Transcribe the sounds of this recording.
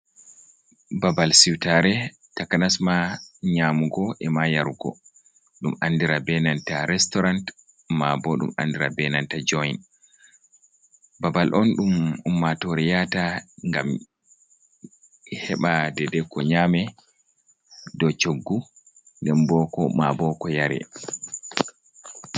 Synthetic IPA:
babalsiwtaɾɛ | takanasmaɲamuɡɔʔɛmajaɾuɡɔ̰ | ɗumandiɾabɛnantaɾɛstɔɾant | mabɔɗṵma̰ndiɾa̰bɛnantad͡ʒɔjn | babalʔɔnɗumumːatoɾijataŋɡa̰m | hɛɓadɛdɛkːɔɲaːmɛ | dɔt͡ʃoɡːu | ŋɡambɔkɔmabɔkɔjaɾɛ̰

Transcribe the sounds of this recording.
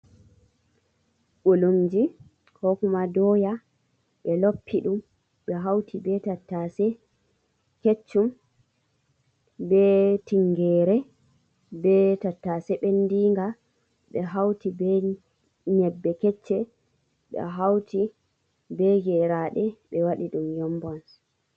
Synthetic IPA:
ɓolumd͡ʒi | kɔkumadɔːja | ɓɛlopʰːiɗum | ɓɛɦawtʰibɛtatːasɛ | ket͡ʃːum | bɛtiŋɡɛːɾɛ | bɛtatːasɛɓendiŋɡa | ɓɛɦawtibɛ | ɲɛbːɛkɛt͡ʃːɛ | ɓɛ̰ɦawti | bɛɡɛɾaɗɛɓɛwaɗiɗumjɔmbɔn

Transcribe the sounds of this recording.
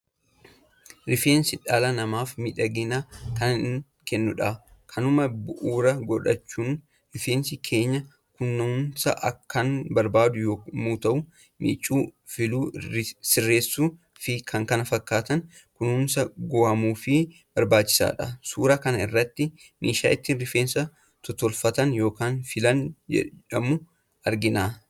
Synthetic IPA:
ɾɪfeːnsɪᶑaːlɐnɐmaːfmɪᶑɐɡɪnɐkɐn | kɛnːʊᶑɐkʰɐnʊmɐbʊʔuːɾɐɡɔᶑɐt͡ʃːuːn | ɾɪfeːnsɪkʰe̞ːɲːɐ | kʊnːʊʊnsɐʔɐkːɐnbɐɾbaːd̪ʊjoːmuːt̪ɐʔʊ | mʔḭːt͡ʃʼːuːfɪluːsɪrːe̞ːsːuː | fɪkʰɐŋkɐnɐfɐkːaːt̪ɐn | kʊnʊnsɐɡoːhɐmuːfɪ | b̥ɐɾbaːt͡ʃːɪ̥sa̰ːᶑɐ̰suːɾɐkɐnɐɪ̰rːɐt̪ːɪ | miːʃa̰ːʔɪt̪ːiːnɾɪfeːnsɐ | t̪ɔt̪ɔlfɐt̪ɐnjo̞ːkaːnfɪlɐnd͡ʒɛ̰ᶑɐmʊ | ɐɾɡɪnaː

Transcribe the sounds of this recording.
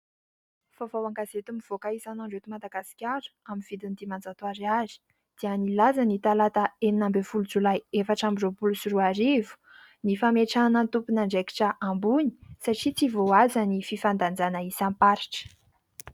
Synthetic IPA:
favawaŋɡazet̪umiv̥okaisanaɳɖ͡ʐet̪umad̪aɡasi̥kʲaɾu̥aminv̥id̪inid̪imand͡zat̪uaɾiazi̥ | d̪̥iənilazanit̪alat̪aeninambefulud͡zulajefaʈ͡ʂamizopulusuruaɾivu̥ | nifameʈ͡ʂanət̪upunaɳɖ͡ʐeki̥ʈ͡ʂəʔambuni̥saʈ͡ʂit͡sivoazanififand̪and͡zanaisampaɾi̥ʈ͡ʂə̥

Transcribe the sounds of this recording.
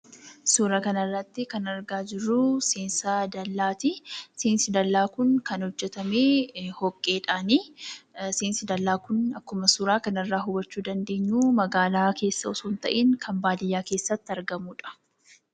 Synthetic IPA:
suːɾɐkɐnɐrːɐt̪ːɪkɐnɐɾɡaːd͡ʒɪrːʊseːnsɐd̪ɐlːaːt̪ɪseːnsɪd̪ɐlːaːkʊnkɐnhɔd͡ʒːɛt̪ɐmeːhɔkʼːe̞ːᶑaːni | seːnsɪd̪ɐlːaːkʊnɐkːʊmɐsuːɾaːkɐnɪrːaːɦʊbɐt͡ʃːuːd̪ɐnd̪e̞ːɲːuːmɐɡaːlaːke̞ːsːɐʊsuːnt̪ɐ̰ʔiːŋkʰɐmbaːd̪ɪjːaːke̞ːsːɐt̪ːɪɐɾɡɐmuːᶑɐ̥

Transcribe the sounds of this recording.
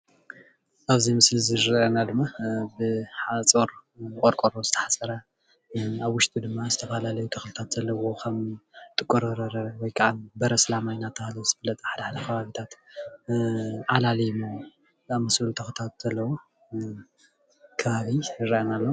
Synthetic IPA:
ʔaβzimɨslziɾʔɐnad̪ɨmːabɨħat͡sʼoɾkʼoɾkʼoɾozɨt̪ʰɐ̥ħasʼɐɾa | aβwʊʃt̪ʼid̪ɨmːazɨt̪ʰɐfalalɐjut̪ʰɐxlɨt̪ʰat̪z̥ɐlːɐwo̞kʰɐmt̪ʼɨkʼːoɾɐɾɐɾɐwɔjkʰɐʔanbɐɾɐslamajnat̪ʰːahlɐzɨfɨlːɐt͡s̪ʼħad̪aħad̪ɐkʰɐβaβit̪ʰat̪ | ʕalalijmu | amɐsɨlut̪ʰɐxɨt̪ʰat̪z̥ɐlːɐwo | kʰɐβaβiɨɾiʔɐnalːo

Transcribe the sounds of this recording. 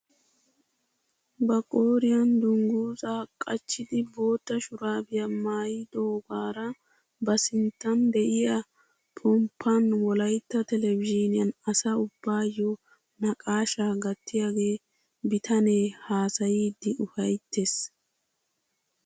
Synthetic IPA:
bɐkʼoːɾɪjɐnd̪ʊŋɡuːzaːkʼɐt͡ʃːɪd̪ɪbo̞ːt̪ːɐʃʊɾaːbɪjɐmaːjɪd̪oːɡaːɾɐ | bɐsɪnt̪ːɐnd̪ɛʔɪjɐ | pʰɔmpʰːɐnwɔlɐjt̪ːɐt̪ɛlɛvɪd͡ʒɪnɪjɐnɐsɐʊbːaːjːɔ | nɐkʼaːʃaːɡɐt̪ːɪjaɡe̞ː | bɪt̪ʰɐneːhaːsɐjiːd̪ːɪʔʊfɐjt̪ːes

